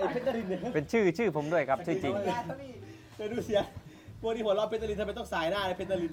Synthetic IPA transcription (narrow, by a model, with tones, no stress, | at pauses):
ʔa˧jpʰe˦˥a˧li˧nː˧˩pe˧nt͡ɕʰɯː˥˩t͡ɕʰɯː˥˩pʰo˩˦mdu˥˩əjkʰɾa˦˥p̚t͡ɕʰɯː˥˩t͡ɕi˧ŋ | tːɾuː˧˥si˨˦ɐ | pʰu˥˩k̚niː˦˥pʰt̪̚lɔ˧˩pe˧˦˥t̪̚ːa˧li˧t̪ʰm˧t̪ɔ˥˩ŋsaː˩˦jnaː˥˩la˧˩pʰe˦˥t̪ʰːa˧li˧n